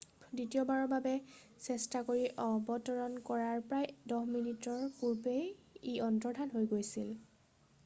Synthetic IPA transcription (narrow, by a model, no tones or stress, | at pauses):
ditiɔbaɹɔbabɛ | sɛstakoɹiʔɔbɔtɔɹɔnkɔɹaɹpɹajdɔɦminitɔɹpuɹpejiɔntɔɹdʱanɦojɡojsil